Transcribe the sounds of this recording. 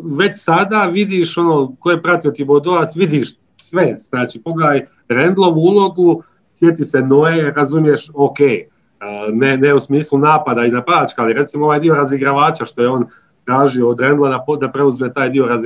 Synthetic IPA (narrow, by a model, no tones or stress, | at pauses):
ʋe̞t͡ɕsad̪aːʋid̪iʃo̞noːkojepɾat̪iot̪ibod̪oasʋid̪iʃ | sʋe̞z̥naːt͡ʃiːpo̞ɡleaːj | ɾe̞nd̪lˠo̞ʋuulˠo̞ɡu | sje̞t̪ise̞noeɾazumjeʃokeː | neneusmiːslˠunaːpad̪ainapaːt͡ʃkaliɾe̞t̪simooʋaːjd̪io̞ɾaziɡɾaʋaːt͡ɕaʃt̪o̞je̞o̞ːn | t̪ɾaːʒioːd̪ɾend̪lˠad̪apd̪apɾe̞uzme̞t̪aːjd̪io̞ɾaz